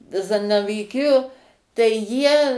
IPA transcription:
ˈzɑːnɐʋʲiːˈkʲɪjoː tɐɪ ˈjiɛ

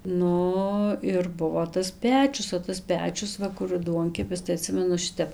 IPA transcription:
ˈnʊ ɪr ˈbʊʋoː tɐs ˈpʲæːt͡ʃʲʊs oː tɐs ˈpʲæːt͡ʃʲʊs ˈʋɐ kʊr ˈduɔŋʲkʲɛpʲɪs tɐɪ ɐˈtʲsʲɪmʲɛnʊ ˈʃʲɪtʲɛp

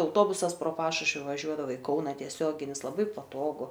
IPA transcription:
ɐʊˈtoːbʊsɐs proː ˈpɑːʃʊʃʲʋʲɪ ʋɐˈʒʲuɔdɐʋɐ ɪ ˈkɐʊnɐ tʲiɛˈsʲoːɡʲɪnʲɪs lˠɐˈbɐɪ pɐˈtoːɡʊ

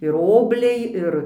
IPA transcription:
ɪr ˈoːbʲlʲɛɪ ˈɪr

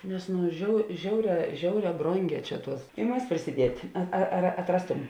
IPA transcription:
nʲɛs ˈnʊ ʒʲɛʊ ˈʒʲɛʊˌrʲɛː ˈʒʲɛʊˌrʲɛː ˈbroːŋʲˌɡʲɛː ˈt͡ʃʲɛ ˈtuɔs ɪ ˈmɐs pʲrʲɪsʲɪˈdʲiɛtʲ ɐ ɐr ɐtˈrɑːstʊm

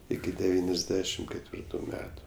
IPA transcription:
ˈɪkʲɪ dʲɛˈʋʲiːnʲɛzʲˌdʲæːʃʲɪm kʲɛtʲˈʋʲɪrtʊ ˈmʲæːtʊ

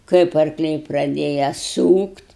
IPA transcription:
ˈkɐɪp ɐrkˈlʲɛɪ prɐˈdʲeːjɛ ˈsuːktʲ

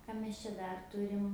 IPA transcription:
kɐ mʲɛs t͡ʃʲɛ ˈdɐr ˈtʊrʲɪm

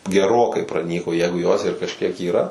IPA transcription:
ɡʲɛˈroːkɐɪ prɐˈnʲiːkoː ˈjæːɡʊ joːs ɪr kɐʃʲˈkʲiɛk iːˈrɐ

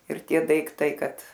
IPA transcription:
ɪr ˈtʲiɛ dɐɪkˈtɐɪ ˈkɐt

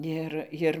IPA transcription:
ˈɪr ˈjɪr

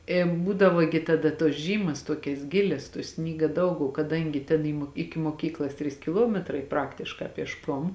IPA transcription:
eː ˈbuːdɐʋoː ɡʲɪ tɐˈdɐ tuɔs ˈʒʲiːmɐs ˈtuɔkʲɛs ˈɡʲɪlʲɛs tuɔ ˈsʲnʲiːɡɐ ˈdɐʊk oː kɐˈdɐŋʲɡʲɪ tʲeːn ɪ moː ˈɪkʲɪ moːˈkʲiːklˠɐs ˈtʲrʲiːs kʲɪˈlˠuɔmʲɛtrɐɪ ˈprɑːktʲɪʃkɑː pʲiɛʃˈkoːm

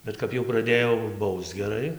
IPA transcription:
ˈbʲɛt kɐp jɛʊ prɐˈdʲeːjoː ˈbɐʊst͡s ɡʲɛˈrɐɪ

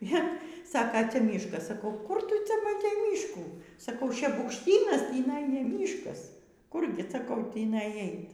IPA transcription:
ˈjiɛ ˈsɑːkɐ ˈt͡sʲɛ ˈmʲiːʃkɐs sɐˈkɐʊ kʊr ˈtʊ ˈt͡sʲɛ mɐˈtʲɛɪ ˈmʲiːʃkuː sɐˈkɐʊ ʃʲɛbʊkʃʲˈtʲiːnɐs tʲiːˈnɐɪ nʲɛ ˈmʲiːʃkɐs ˈkʊrʲɡʲɪ sɐˈkɐʊ ˈtʲiːnɐɪ ˈɐɪt

